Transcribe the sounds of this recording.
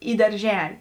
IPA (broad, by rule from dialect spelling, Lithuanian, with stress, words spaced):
iː dɐrʲˈʒʲæːlʲɪ